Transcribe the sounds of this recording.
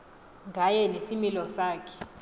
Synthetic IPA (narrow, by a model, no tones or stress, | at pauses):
ŋɡʱajɛnesimilɔsaːkʰɛ̥